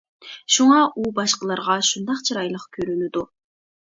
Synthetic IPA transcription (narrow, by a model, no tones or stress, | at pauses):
ʃuŋɑʔubɑʃqəlˠɑɾʁɑʃund̪ɑqt͡ʃʰɨɾɑjlˠəqkʲʰøɾynyd̪u